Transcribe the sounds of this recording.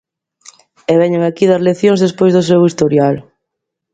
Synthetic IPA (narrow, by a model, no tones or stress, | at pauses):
eβɛɲeŋakiðɐzleθjõŋzðespojzðʊs̬ewist̪oɾjal